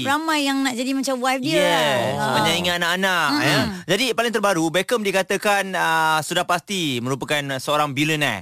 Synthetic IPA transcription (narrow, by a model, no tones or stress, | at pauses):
ɾamãjːaŋnaʔd͡ʒadimãt͡ʃamwajp̚diɛsəad͡ʒaiŋaanaʔanaʔnəd͡ʒadipalɪŋt̪̬ərbaɾubɛkəmdikat̪əkanəsudahpast̪imə̃ɾupəkansəoɾaŋbilənɛ̰